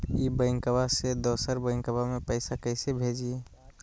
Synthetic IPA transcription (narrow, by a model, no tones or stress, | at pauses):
ibəɪŋkəbased̪oːsəɾbəɪ̃ŋkəbamẽpəɪsakəɪsebʱeːd͡ʒie